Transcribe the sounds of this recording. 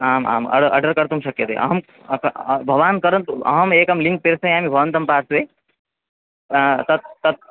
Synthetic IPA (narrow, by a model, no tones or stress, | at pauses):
aːma̰ːmɐ̰ɽɾʔɐ̰ɖəɾkəɾt̪umsɐkjət̪ḛʔɐ̰ɦəm | kbʱɐʋaːnkəɾənt̪ɐ̰ɦəmeːkɐmlĩŋk̚peɾsə̃ĩaːmibʱɐʋənt̪ɐmpaːɾsʋe | t̪ɐt̪̚t̪ɐt̪̚